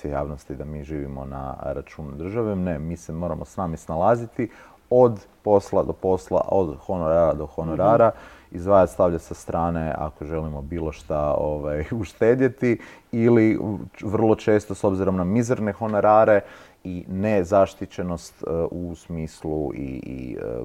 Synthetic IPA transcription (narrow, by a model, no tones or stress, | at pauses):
seja̰ːʋnost̪id̪amiːʒiːʋimo̞̰na̰ɾat͡ʃuːnud̪r̩ʒaʋenemiːsemo̞ɾamosnaːmisnalˠazit̪i | o̞d̪ | po̞slˠad̪opo̞sla̰ʔod̪xonoɾad̪o̞xo̞noɾaːɾaizʋaːjast̪aʋʎasast̪ɾʔaːnea̰ko̞ʒe̞limo̞biːlˠo̞ʃt̪aoʋajuʃt̪eːd̪jet̪i | iliʋr̩lˠo̞t͡ʃe̞ːst̪oso̞bziɾo̞mnamizeɾnexo̞no̞ɾaːɾe̞ | inezaʃt̪it͡ʃe̞no̞st̪usmiːsluḭḭ